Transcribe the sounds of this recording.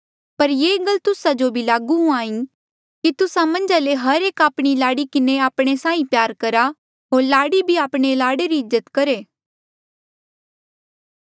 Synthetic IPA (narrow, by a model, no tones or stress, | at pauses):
pɐɾjeːɡɐlt̪ʊsad͡ʒobʱilaːɡuɦũãːĩ | kit̪ʊsãmɐ̃nd͡ʒaleɦɐɾeːkaːpɽ̃ilaːɽikɪneaːpɽ̃esãːĩpjaːɾkɐɾa | ɦoːɾlaːɽibʱiaːpɽ̃elaːɽeɾiɪzːət̪kɐɾeː